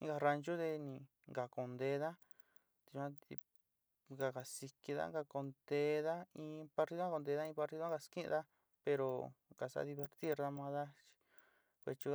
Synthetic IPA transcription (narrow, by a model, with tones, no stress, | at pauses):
ĩ˧˦ɡa˧ɾa˧nt͡ʃu˦ðe˧nĩ˧ | ŋɡa˨ko˨nd̪e˧˦ða˦ | t̪i˧ã˦t̪i˧ | ŋɡa˨ka˨si˧ki˧ða̰˦ŋɡa˧ko˧nd̪e˧ða˦ĩ˧pa˧ɾt̪i˧ðo˦ko˧nd̪e˧ða˦ĩ˧pa˧ɾt̪i˧ðo˦ɡa˧skĩ˦ʔd̪a˦ | pe˧ɾo˨ka˨sa̰˧˦ði˧βe˧ɾt̪i˦ɾða˧mã˧ða˦t͡ʃi̥˧ | kʷe˧t͡ʃu˧